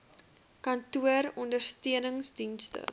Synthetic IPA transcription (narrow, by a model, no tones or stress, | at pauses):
kɐntuərɔndərstiənəŋsdinstə̰